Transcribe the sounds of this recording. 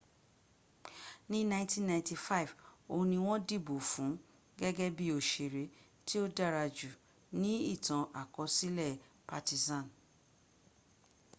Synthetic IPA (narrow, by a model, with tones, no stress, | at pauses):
nĩ˦nã˦ĩ˦tĩ˦nːã˧˨ti˧fa˦i˨võ˧nĩ˧w̃ɔ̃˦di˦˨bo˨fũ˨˦ | ɡɛ˦ɡɛ˦bi˦o˦˨ʃe˨ɾe˨˧˦ | ti˦o˦da˦˨ɾa˧d͡ʒu˨ | nĩ˦i˦˨tã˨ʔa˨kɔ˨˧˦si˦lɛ˦˨ | pa˧ti˧˨zã˦˨n